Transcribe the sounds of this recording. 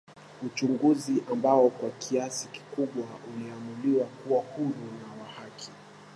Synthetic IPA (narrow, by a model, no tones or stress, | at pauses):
ut͡ʃuŋɡuziʔambaɔkwakʰiasiki̥kuɓwauliamuliwakuwahuɾunawahakʰi̥